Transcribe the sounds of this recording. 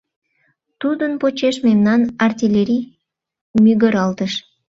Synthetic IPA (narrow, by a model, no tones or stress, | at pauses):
t̪ud̪ənpot͡ɕeʃmemnɑnɑrt̪ʲilʲeɾʲi | myɣəɾɑlt̪əʃ